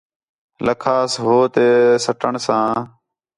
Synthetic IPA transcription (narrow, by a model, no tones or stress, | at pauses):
ləkʰaːsɦoːt̪eːsəʈəɳsãː